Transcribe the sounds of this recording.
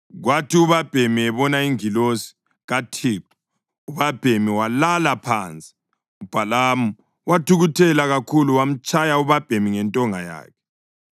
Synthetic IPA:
ɣwatʰiuβab̥ʱemiɛβɔnaiŋilosi̥ | ɣatʰiːǃu̥ | uβab̥ʱemiwalalapʰaːnt͡sʼi̥ | ub̥ʱalamu | watʰuɣutʰɛlaɣakʰuluwam̩t͡ʃʼajauβab̥ʱemiŋɛntʼɔŋaja̰ːkʰɛ̥

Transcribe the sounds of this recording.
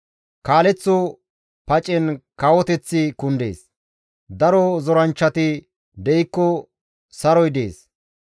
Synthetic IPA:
kaːlɛt͡sːɔ | pɐt͡ʃʼɛnkawɔt̪ɛt͡sːɪkʊnd̪ḛːs | d̪ɐɾɔzɔɾɐnt͡ʃːɐt̪ɪ | d̪ɛɪkːɔ | sɐɾɔjd̪eːs

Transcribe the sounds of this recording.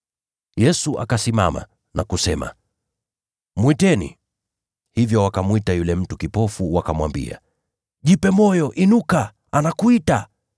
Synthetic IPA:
jɛsuʔa̰kasima̰ma̰ | nakusɛma̰ | mwitɛnḭ | hivjɔwakamwitajulɛm̩tukipɔfuwakamwa̰mbḭa̰ | ʄipɛmɔjɔʔinuka | anakuita

